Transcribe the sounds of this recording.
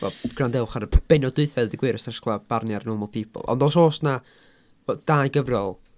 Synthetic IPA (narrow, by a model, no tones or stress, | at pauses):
vɔ̰ɡ̥randɛwχaɾəb̥ɛnɔdʊɨθɛðdiɡwɪɾəstɛsklˠab̥arnjarnɔmɔlˠpʰipʰʊ̰lˠɔ̰ndoːsoːsna | d̥aːjɡəvrjɔlˠ